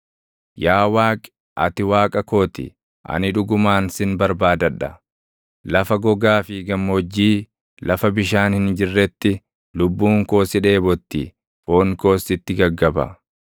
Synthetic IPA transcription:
jaːwaːkʼ | ʔɐ̰t̪ɪwaːkʼɐko̞ːt̪ɪ̰ | ʔɐ̰nɪᶑʊɡʊmaːnsɪnbɐɾbaːd̪ɐᶑɐ | lɐfɐɡɔɡaːfɪɡɐmːɔd͡ʒːiː | lɐfɐbɪʃaːnhɪnd͡ʒɪrːɛt̪ːɪ | lʊbːuːŋko̞ːsɪᶑe̞ːbɔt̪ːɪ̰ | foːnko̞ːsːɪt̪ːɪɡɐɡːɐbɐ̰

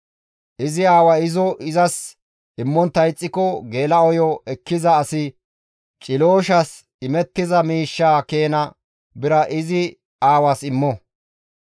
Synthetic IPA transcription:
ʔɪzɪaːwɐɪzɔʔɪzɐs | ɪmːɔnt̪ːɐjt͡sʼːɪkɔɡe̞ːlɐɔjɔɛkːɪzɐːsɪ | t͡ʃʼɪloːʃɐs | ɪmɛt̪ːɪzɐmiːʃːaːke̞ːnɐ | bɪɾɐʔɪzɪ | aːwasɪmːɔ

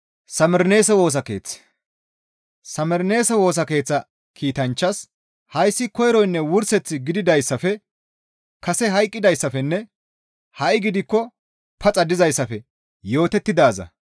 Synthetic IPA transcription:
sɐmɛɾne̞ːsɛwo̞ːs̬ɐke̞̰ːt͡sː | sɐmɛɾne̞ːsɛwo̞ːs̬ɐke̞ːt͡sːɐ | kʰiːt̪ɐnt͡ʃːɐs | hɐjsːɪkɔjɾɔjnːɛwʊɾsɛt͡sːɪɡɪd̪ɪd̪ɐjsːɐfɛ | kɐsɛɦɐjkʼːɪd̪ɐjsːɐfɛnːɛ | hɐʔɪɡɪd̪ɪkːɔ | pʰɐt͡sʼɐd̪ɪzɐjsːɐfɛ | jo̞ːt̪ɛt̪ːɪd̪aːzɐ̰

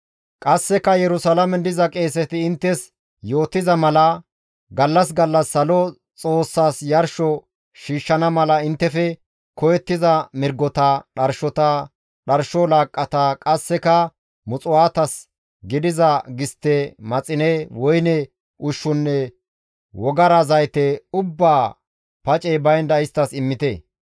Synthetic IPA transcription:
kʼɐsːɛkɐjɛɾʊsɐlɐmɛd̪ɪzɐkʼe̞ːsɛt̪ɪːnt̪ːɛs | jo̞ːt̪ːɪzɐmɐlɐ | ɡɐlːɐs̬ɡɐlːɐsːɐlɔ | t͡sʼo̞ːsːaːsjɐɾʃɔ | ʃiːʃːɐnɐmɐlɐɪnt̪ːɛfɛ | kɔjɛt̪ːɪzɐmɪɾɡɔt̪ɐɗɐɾʃɔt̪ɐ | ɗɐɾʃɔlaːkʼːɐt̪akʼɐsːɛkɐ | mʊt͡sʼʊwaːt̪ɐs | ɡɪd̪ɪzɐɡɪst̪ːɛmɐt͡sʼɪnɛwɔjnɛ | ʊʃːʊnːɛ | wɔɡɐɾɐzɐjt̪ɛʊbːaː | pɐt͡ʃʼɛbɐjnd̪ɐɪst̪ːɐsɪmːɪt̪ɛ

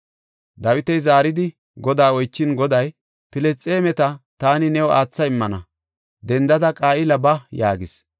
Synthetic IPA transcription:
d̪ɐwɪt̪ɛjzaːɾɪd̪ɪ | ɡɔd̪aːɔjt͡ʃːɪnɡɔd̪ɐj | pɪlɛst͡sʼeːmɛt̪ɐt̪aːnɪnɛwɔaːt͡sːɐɪmːɐnɐ̰ | d̪ɛnd̪ɐd̪ɐkʼaːʔɪlɐbɐjaːɡɪs

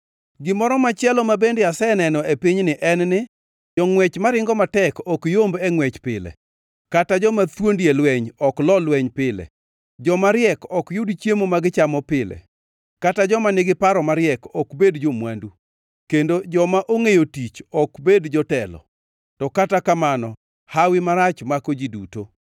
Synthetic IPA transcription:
ɡɪmɔɾɔmat͡ʃjɛlɔmabendɛjasɛnɛnɔepiɲnɪʔɛnnɪ | d͡ʒɔŋwɛt͡ʃmaɾɪŋɡɔmatɛkɔkjombɛŋwɛt͡ʃpɪlɛ̰ | katad͡ʒɔmat̪wondjelwɛɲɔklɔlwɛɲpɪlɛ̰ | d͡ʒɔmaɾɪɛkɔkjʊdt͡ʃjemomaɡɪt͡ʃamɔpɪlɛ̰ | katad͡ʒɔmanɪɡɪpaɾɔmaɾɪjɛkɔkbedd͡ʒomwandu | kendod͡ʒɔmaʔoŋejotit͡ʃɔkbedd͡ʒɔtɛlɔ̰ | tɔkatakamanɔ | hawɪmaɾat͡ʃmakod͡ʒiduto

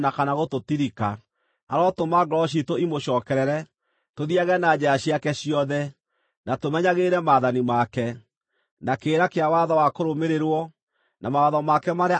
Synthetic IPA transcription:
nakanaɣototiɾika | aɾɔtomaɡɾɔʃ̬itoimoʃɔːkɛɾɛɾɛ | toðiaɣɛnad͡ʑɛaɕiakɛɕiɔðɛ | natomɛɲaɣeɾɛmaːðanimakɛ | nakeːɾakeawaðɔwakoɾomeɾeɾwɔ | namawaðɔmakɛmaɾe

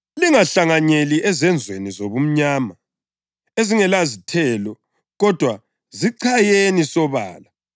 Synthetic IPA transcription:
liŋaɬaŋaɲeliʔɛzɛnd͡zʱwenizoβum̩ɲaːma | eziŋɛlazitʰɛːlɔ | ɣɔd̥ʱwa | ziǀʰajenisɔβa̰ːla

